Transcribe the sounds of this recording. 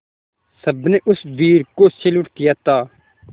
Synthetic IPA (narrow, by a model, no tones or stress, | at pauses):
səbneːʔʊsbiːɾkot͡ʃelʊʈk̪ɪjaːt̪aː